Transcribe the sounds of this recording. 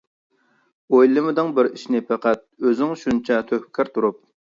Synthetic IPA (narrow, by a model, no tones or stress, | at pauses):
ojlˠɨmɨd̪ɨŋbɪɾiʃnɪpʰæqæt̪̚øzɪŋʃunt͡ʃʰɛt̪ʰøhpɪkʲʰæɾt̪ʰuɾup̚